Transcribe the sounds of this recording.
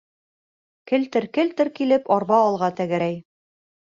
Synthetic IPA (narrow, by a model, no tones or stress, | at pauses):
kɘ̆lt̪ɘɾkɘlt̪ɘ̆ɾkilɘpɒɾβɑːlˠʁɑt̪æɡæ̆ɾæj